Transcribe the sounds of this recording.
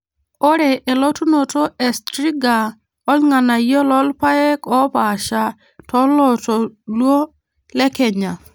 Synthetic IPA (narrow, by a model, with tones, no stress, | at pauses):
ɔ˦ɾɛ˨ʔe˨lɔ˦tu˦no˨to˦ɛ˨stɾi˦ɡa˨ | ɔ˦lŋa˨na˨jɔ˦lɔ˦lpa˦ɛ˦kɔ˦ba˨ʃa˨ | tɔ˦lɔ˨to˨lwo˦ | lɛ˦kɛ˨ɲa˨